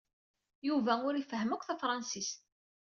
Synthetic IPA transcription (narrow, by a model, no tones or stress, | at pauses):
juvæʊɾifəɦəmækʷθæfɾˤɑnsis